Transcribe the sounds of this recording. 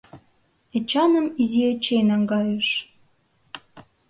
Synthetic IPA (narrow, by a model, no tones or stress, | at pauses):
et͡ɕɑnə̆miziet͡ɕenɑŋɡɑjəʃ